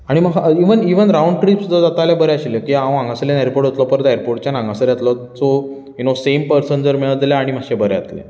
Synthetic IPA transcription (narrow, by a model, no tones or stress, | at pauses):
aɽ̃iməiʋəniʋənɾauɳɖ̚ʈɾiːpsud͡zʱəd͡zat̪aljabəɾeaɕiləkiãʋə̃ãŋɡaslenaɾpoɾʈɦot̪lɔpəɾt̪ajəɾpoɾʈt͡ɕjanãŋɡasəɾjat̪lə | t͡so | junosempəɾsənd͡zəɾmɛɭəd͡zljaaɽ̃im̤aɕẽbəɾeat̪lɛ̰̃